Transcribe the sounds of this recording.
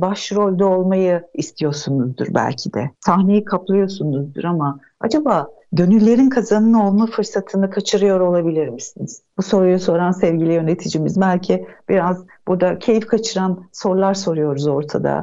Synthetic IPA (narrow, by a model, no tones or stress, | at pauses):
baʃɾo̞lʲd̪aolˠmajɯist̪ʰijo̞ɾsunuzd̪ɯ̰ɾbæ̰lʲcʰid̪ɛ̰sʰaxnejikʰaplˠɯjo̞sunuzd̪ɯɾama | ad͡ʒabaː | ɟø̞nylʲːe̞ɾinkʰazanɯno̞lˠmafɯɾsat̪ʰɯnɯkʰat͡ʃʰɯɾɯjo̞ɾo̞lˠabilʲiɾmisiniz̥buso̞ɾujuso̞ɾansɛvɟilʲijø̞net̪ʰid͡ʒimizbælʲcʰib̥iɾaz | b̥uɾd̪acʰe̞jifkʰat͡ʃʰɯɾanso̞ɾlˠaɾso̞ɾujo̞ɾuzo̞ɾt̪ʰa̰d̪a̰